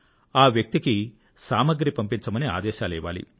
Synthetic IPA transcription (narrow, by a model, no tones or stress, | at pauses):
aːʋjɐk̚t̪iki | saːmɐɡɾipɐmpiɲt͡ʃɐmɐnea̰ːd̪ɛːʃaːlɛːʋa̰ːlḭ